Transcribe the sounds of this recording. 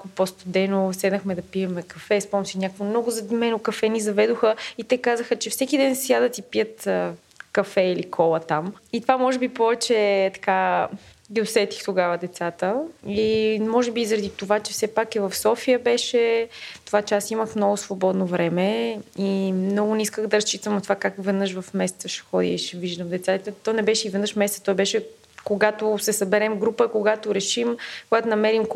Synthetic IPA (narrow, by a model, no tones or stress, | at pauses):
kopost̪od̪ɛnosɛd̪nəxmɛd̪ɐpiɛmɛkɐfɛspɔmsinʲakvomnɔɡʊzɐd̪imɛnokɐfɛnizɐvɛd̪oxəit̪ɛkazəxət͡ʃɛfsɛkid̪ɛnsjad̪ɐt̪ipijət̪ə | kɐfɛilikʰɔlˠət̪amit̪ovamɔʒɛbipɔvɛt͡ʃɛt̪ɐ̥ka | ɡiosɛt̪i̥xt̪oɡavəd̪ɛt̪sat̪əimɔʒɛbizəɾɐd̪it̪ovat͡ʃɛfsɛpakivɐfsɔfijəbɛʃɛt̪ovat͡ʃɛasiməxmnɔɡʊsvobɔd̪novɾɛmɛimnɔɡʊniskəxd̪ɐɾɐst͡ʃit̪əmnɐt̪ovakakvɛd̪nɤʃvɐfmɛsɛ̥t̪səʃɛ̥xɔd̪ḭiʃɛviʒd̪əmd̪ɛt̪sat̪t̪ɛt̪ɔnɛbɛʃɛivɛd̪nəʃmɛsɛt̪ə̥t̪ɔjbɛʃɛ | koɡat̪ʊsɛsɐbɛɾɛmɡɾupəkoɡat̪oɾɛʃimkoɡat̪onɐmɛɾim